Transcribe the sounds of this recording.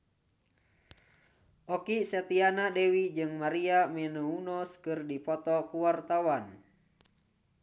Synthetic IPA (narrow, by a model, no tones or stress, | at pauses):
ʔɔkisɛt̪ianadɛwid͡ʒɨŋmaɾiamɛnuunɔskɨrdipɔt̪ɔkuwart̪awan